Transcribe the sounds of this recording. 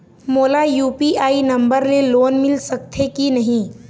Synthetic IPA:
moːlajuːpiaːinɐ̃mbəɾleloːnmɪlsək̚t̪ʰekinɐɦĩː

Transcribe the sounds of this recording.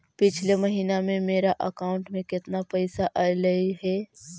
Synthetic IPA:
pɪt͡ʃʰleməɦiːnamẽmeːɾaʔəkaːʊ̃ɳʈmẽkɪt̪napəɪsaʔaləiɦɛː

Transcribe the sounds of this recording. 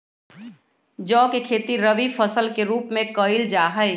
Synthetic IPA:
d͡ʒɔːkekʰeːt̪iɾəʋifʰəsəlkeɾuːpmẽkəɪld͡ʒaːɦəj

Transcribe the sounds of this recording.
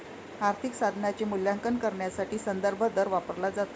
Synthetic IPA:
aɾt̪ʰiksad̪ʱnat͡ɕemuljaŋkənkəɾɳjasaʈiːsənd̪əɾbʱəd̪əɾʋapəɾlad͡zat̪

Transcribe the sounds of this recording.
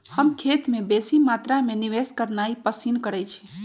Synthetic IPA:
həmkʰeːt̪mẽbesimaːt̪ɾamẽniʋeskəɾnaipəsinkəɾɛt͡ʃʰi̥

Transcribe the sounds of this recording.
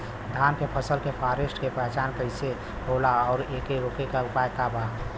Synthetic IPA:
d̪ʱaːnkepʰəsəlkepʰaːɾesʈkepɾəɦt͡ʃaːnkəɪse | ɦolaɔːɾeːkeɾokekaɾʊpaːjkabʱa

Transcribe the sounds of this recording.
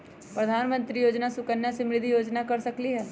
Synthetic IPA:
pɾɐd̪ʱaːnmə̃nt̪ɾijoːd͡ʒnasʊkənːasemɾɪd̪ʱijoːd͡ʒnakɐɾsɐkliɦɛː

